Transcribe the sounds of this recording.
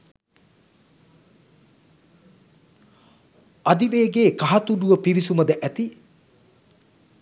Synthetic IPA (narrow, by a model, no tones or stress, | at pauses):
ad̪iʋeːɡeːkaɦɐt̪uɖuʋəpiʋisumɐd̪əʔæt̪i